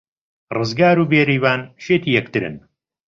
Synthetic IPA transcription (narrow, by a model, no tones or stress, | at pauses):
rɨzɡaːɾuːbeːɾiːvaːnʃeːt̪iːjɛk̚t̪ɨɾɨ̰n